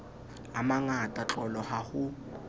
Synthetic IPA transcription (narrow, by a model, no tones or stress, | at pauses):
amaŋatʼat͡ɬʼɔlɔhahʊ